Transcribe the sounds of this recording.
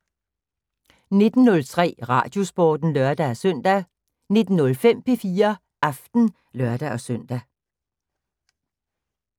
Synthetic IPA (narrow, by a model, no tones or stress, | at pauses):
ne̝d̥n̩ːɔ̽lt͡sʰʁɛ̰ːʁɑ̰̈ːd̥jo̝sb̥ɒ̰ːd̥n̩lœɐd̥æsœn̰d̥æ | ne̝d̥n̩ːɔ̽lfem̰pʰe̝fiːɐ | ʔɑfd̥n̩ | lɶɐd̥æɒsœn̰d̥æ